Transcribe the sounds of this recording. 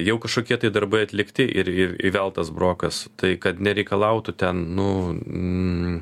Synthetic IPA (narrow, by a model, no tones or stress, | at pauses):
jɛʊkɐʃkoːkʲiɛt̪ɐɪd̪ɐɾbɐɪɐt̪ʲlʲɪkt̪ʲɪʔɪɾɪɾḭʋʲɛlˠt̪ɐsbɾoːkɐst̪ɐɪkɐt̪nʲɛɾʲɛɪkɐlˠɐʊt̪ʊt̪ʲɛnnʊ